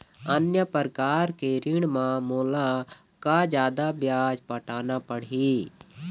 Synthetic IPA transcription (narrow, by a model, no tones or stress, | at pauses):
ənjəpəɾkaːɾkeɾɪɽ̃mãmoːla | kad͡ʒjaːd̪abjaːd͡ʒpəʈaːnapəɽi